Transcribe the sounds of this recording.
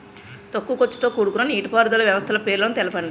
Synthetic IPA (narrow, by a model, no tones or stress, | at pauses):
t̪okːukot͡ʃːu̥t̪oːkuːɽukunɐniːʈipaːɾd̪ɐlɐʋjɐʋɐst̪ʰɐlɐpe̞ːɾlɐːnut̪ɛlɐpɐɳɖi